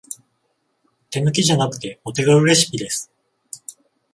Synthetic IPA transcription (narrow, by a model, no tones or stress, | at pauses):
t̪e̞nɯ̟kʲiʑanakɯ̟̥t̪e̞o̞t̪e̞ɡaɯ̟ɾe̞ɕi̥kʲid̪e̞sɨ̥